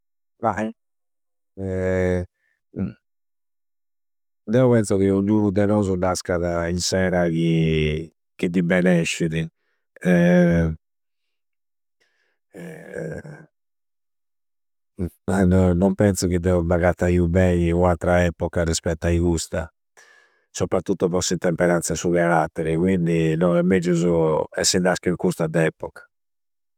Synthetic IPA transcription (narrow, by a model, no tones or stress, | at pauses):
vai | ɛ | d̪ɛɔpɛnsɔɣiuɲuːnud̪ɛnɔzunaskaðainsɛːɾaki | k̟id̪ibɛnɛʃːiɾi | ɛ | nnɔmpɛnt̪sukid̪ɛubaɣat̪ːaiːubɛɲiuat̪ːɾaɛpɔkarispɛt̪ːaiɣust̪a | sɔpɾat̪ːut̪ːɔβɔsːint̪ɛmpɛɾant̪sasuɣaɾat̪ːɛɾikwind̪inɔɛmːed͡ʒuzuɛsːɛnd̪askikust̪ad̪ɛːpɔkḁ